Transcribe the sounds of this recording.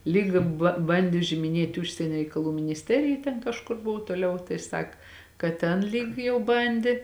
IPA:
ˈlʲiːk bɐ ˈbɐnʲdʲeː ʊʒʲɪmʲɪˈnʲeːtʲɪ ˈʊʃʲsʲiɛnʲɛ rʲɛɪkɐˈlˠuː mʲɪnʲɪsʲˈtʲæːrʲɪjɛ tʲɛn kɐʃˈkʊr ˈbʊʋoː toːˈlʲɛʊ tɐɪ ˈsɐk kɐt ˈtʲɛn ˈlʲiːk jɛʊ ˈbɐnʲdʲeː

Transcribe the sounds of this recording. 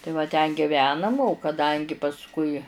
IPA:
tɐɪ ʋɐ ˈtʲɛn ɡʲɪˈʋʲæːnɐm oː kɐˈdɐŋʲɡʲɪ pɐsˈkʊɪ

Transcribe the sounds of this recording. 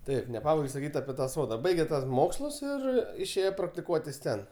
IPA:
ˈtɐɪp nʲɛˈpɑːbɐɪɡʲoː sɐˈkʲiːt ɐpʲɪ tɐ ˈsoːdɐ ˈbɐɪɡʲɛ tuɔs ˈmoːkslˠʊs ˈɪr ɪʃʲˈeːjɛ prɐktʲɪˈkuɔtʲɪs ˈtʲɛn

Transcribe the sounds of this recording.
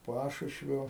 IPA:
ˈpɑːʃʊʃʲʋʲoː

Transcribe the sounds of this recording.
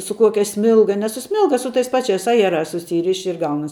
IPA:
sʊ ˈkuɔkʲɛ ˈsʲmʲɪlˠɡɐ nʲɛ sʊ ˈsʲmʲɪlˠɡɐ sʊ tɐɪs ˈpɑːt͡ʃʲɛɪs ˈɑːjɛrɑːs sʊˈsʲiːrʲɪʃʲɪ ɪr ˈɡɐʊnɐs

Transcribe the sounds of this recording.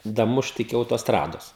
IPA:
dɐˈmʊʃt ɪkʲɪ ɐʊtoːsˈtrɑːdoːs

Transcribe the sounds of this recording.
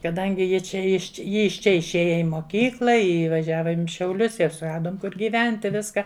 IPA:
kɐˈdɐŋʲɡʲɪ ˈjɪ ˈt͡ʃʲɛ ɪʃ ˈjɪ ɪʃ ˈt͡ʃʲɛ ɪʃʲˈeːjɛ ɪ moːˈkʲiːklˠɐ ɪ ʋɐˈʒʲæːʋoːm ɪ ʃʲɛʊˈlʲʊs ɪr sʊˈrɑːdoːm ˈkʊr ɡʲiːˈʋʲɛnʲtʲɪ ˈʋʲɪskɐ

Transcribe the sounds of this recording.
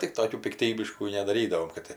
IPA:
tʲɪk ˈtoːkʲuː pʲɪkˈtʲiːbʲɪʃkuː nʲɛdɐˈrʲiːdɐʋoːm kɐt ˈtʲɪ

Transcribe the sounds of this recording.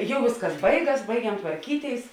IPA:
ˈjɛʊ ˈʋʲeːsˌkɐs ˈbɐɪˌɡɐs ˈbɐɪɡʲɛm tʋɐrʲˈkʲiːˌtʲeːɪs

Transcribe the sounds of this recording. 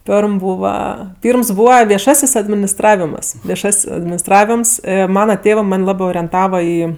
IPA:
ˈpʲɛrm ˈbuːʋɐ ˈpʲiːrms ˈbuːʋɐ ʋʲiɛˈʃɑːsʲɪs ɐdʲmʲɪnʲɪsˈtrɑːʋʲɪmɐs ʋʲiɛˈʃɐsʲ ɐdʲmʲɪnʲɪsˈtrɑːʋʲɪms ˈmɑːnɐ ˈtʲeːʋɜ ˈmɐnʲ ˈlˠɑːbɜ oːrʲiɛnˈtɑːʋɐ ˈiː

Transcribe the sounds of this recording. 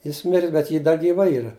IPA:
ˈjɪs ˈmʲɪrʲɪs bʲɛt ˈjɪ ˈdɐ ɡʲiːˈʋɐ ˈiːrɐ

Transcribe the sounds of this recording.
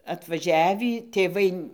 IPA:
ɐtʋɐˈʒʲæːʋʲiː tʲeːˈʋɐɪ

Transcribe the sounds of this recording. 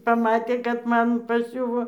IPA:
pɐˈmɑːtʲeː kɐt ˈmɐn pɐˈsʲʊʋoː

